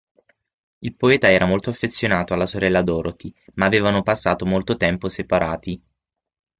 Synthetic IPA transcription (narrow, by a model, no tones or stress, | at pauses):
ilpoɛːt̪aɛːɾʔamolt̪oafːet̪sːjonaːt̪oalːasoɾɛlːad̪ɔːɾot̪imaːveːvanopasːaːt̪omolt̪ot̪ɛmposepaɾa̰ːt̪i